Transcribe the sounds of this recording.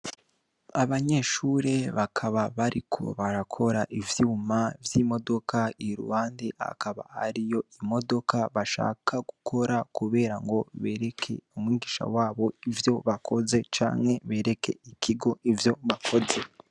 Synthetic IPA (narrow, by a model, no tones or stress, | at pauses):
aβaɲe̞ʃuɾe̞βakʰaβaβaɾikʰo̞̰βaɾakʰo̞ɾaʔivjuːmavjimo̞do̞kaiɾṵhaːndeha̰kaβa̰ha̰ɾijo̞imo̞do̞kaβaʃa̰ːkʰaɡukʰo̞ɾakuβe̞ːɾaŋɡo̞βe̞ɾe̞kʰe̞̰umŋiːɡiʃa̰waːβo̞ivjo̞βakʰo̞ze̞t͡ʃa̰ːŋhe̞βe̞ːɾe̞kʰe̞̰ikʰiɡo̞ʔivjo̞βakʰo̞ze̞